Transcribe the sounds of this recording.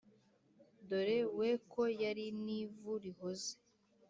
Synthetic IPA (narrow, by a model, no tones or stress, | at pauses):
do̞ɾewekojaɾinivuɾihoze̥